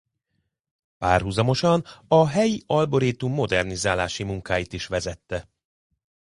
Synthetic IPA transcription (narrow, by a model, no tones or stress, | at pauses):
paːrɦuzɒmo̞ʃɒnɒɦɛjiɒlbo̞ɾiːt̪umːo̞d̪ɛrnizaːlaːʃimuŋkaːjit̪iʃʋɛzɛt̪ːɛ